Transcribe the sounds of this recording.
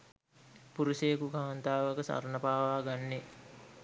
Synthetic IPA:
puɾuseːkukaʋant̪aːʋakəsa̰ɾnəpaːʋaːɡanːe

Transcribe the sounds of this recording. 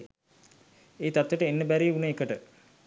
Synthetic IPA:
eːt̪at̪ːəʈəenːəbæɾiːunəekəʈə

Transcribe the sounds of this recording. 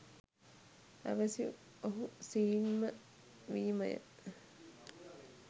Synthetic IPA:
æ̰ʋəsiu | oɦusiːinmə | ʋiːmɐjə̰

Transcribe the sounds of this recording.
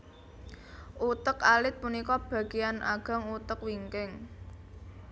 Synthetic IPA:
ʔut̪əkalɪt̪̚punikɔb̥ä̤ɡ̥iana̰ɡ̥a̤ŋut̪əkwiŋkɪŋ

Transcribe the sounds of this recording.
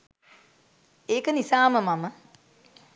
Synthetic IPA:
eːkənisaːməmamə

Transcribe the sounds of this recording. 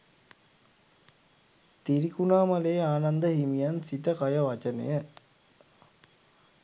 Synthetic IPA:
t̪iɾikunaːmaleːaːnand̪əɦimijansit̪əkajəʋat͡ʃənə̰jə

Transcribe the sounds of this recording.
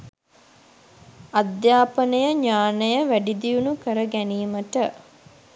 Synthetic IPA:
ad̪jaːpənəjəɲaːnəjəʋæɖid̪ijunukəɾəɡæniːməʈə

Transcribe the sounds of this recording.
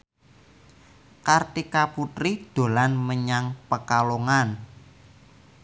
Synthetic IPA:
kart̪ikaput̪ɾid̪̥o̤lanməɲaŋpəkaloŋan

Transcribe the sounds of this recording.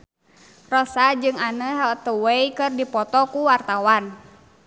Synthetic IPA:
rɔsad͡ʒɨŋanəɦɛlt̪əwejkɨrdipɔt̪ɔkuwart̪awan

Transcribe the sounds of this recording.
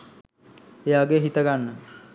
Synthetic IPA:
ejʋaɡeɦit̪əɡanːə

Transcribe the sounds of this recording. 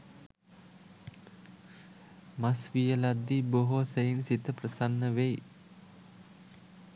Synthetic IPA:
masʋijəlad̪ːiboɦosejinsit̪əprəsanːəʋej

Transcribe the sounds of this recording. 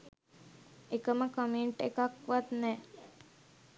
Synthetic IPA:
ekəməkəmeɳʈekakʋat̪nɛː

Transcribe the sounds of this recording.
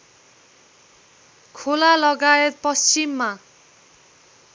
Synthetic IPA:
kʰolalʌɡaet̪̚pʌst͡ɕimːa

